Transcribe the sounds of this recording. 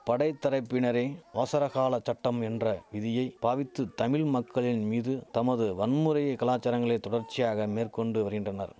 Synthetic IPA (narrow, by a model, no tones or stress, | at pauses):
pɐɽɐɪt̪ːɐɾɐɪpːɪnɐɾeːʋaːsɐɾɐɣaːlɐt͡ʃːɐʈːɐmɛndrɐʋɪðɪjɐɪpaːʋɪt̪ːɯt̪ɐmɪlmɐkːɐɭɪnmiːðɯt̪ɐmɐðɯʋɐnmɯɾɐjɐkɐlaːt͡ʃːɐɾɐŋɡɐɭeːt̪ɔɽɐɾt͡ʃːɪjaːɣɐmeːrkɔɳɖɯʋɐɾɣɪndrɐnɐ̰ɾ